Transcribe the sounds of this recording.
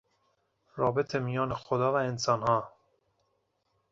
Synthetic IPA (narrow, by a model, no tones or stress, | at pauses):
ɾɒːbet̪ʰemijɒːnexod̪ɒːvæensɒːnhɒː